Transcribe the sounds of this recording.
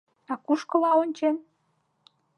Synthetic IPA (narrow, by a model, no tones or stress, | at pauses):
ɑkuʃkə̆lɑonʲt͡ɕen